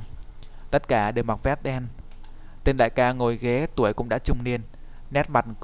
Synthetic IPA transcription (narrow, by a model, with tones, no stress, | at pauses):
t̪ə˦˥t̚kaː˧˩ɗe˨˩wma˨˩t̚fɛ˦˥t̚ɗɛ˧n | t̪e˧nla̰ː˧˨jkaː˧ŋo˨˩jɣe˨˦t̪u˧˩əjkʊ̰˧˥ŋ͡mɗa̰ː˧˥t͡ɕʊ˧ŋ͡mni˧ən | nɛ˦˥t̚ma˨˩t̚k